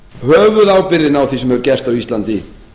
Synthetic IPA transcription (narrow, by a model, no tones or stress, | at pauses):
hœːvʏðaːwpɪɾðɪnawθisɛmhɛvʏɾcɛst̪awist̪lant̪ɪ